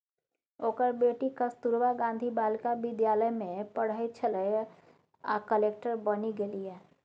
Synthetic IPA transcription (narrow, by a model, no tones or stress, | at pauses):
oːkəɾbeːʈikəst̪uɾʋaɡãːnd̪ʱibaːlkabɪd̪jaːləjmẽpəɽ̤əjt͡ʃʰələj | a̰kəleːkʈəɾbəniɡeliɛː